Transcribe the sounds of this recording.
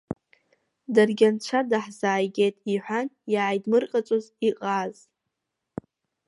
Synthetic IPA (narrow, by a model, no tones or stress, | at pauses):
darɡʲant͡ʃʷʰadaħzaːjɡʲejtʼiħʷanjaːjdmɨrqʼat͡ʃʷʼoziqʼaz